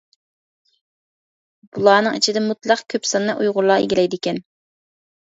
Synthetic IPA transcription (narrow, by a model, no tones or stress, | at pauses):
b̥ulˠɑːnɨŋit͡ʃʰid̪ɛmut̪lˠɑqkʲʰøpsɑnːɑʔujʁʊɾlˠɑːḛɡʲilɛjd̪ɪkʲɛn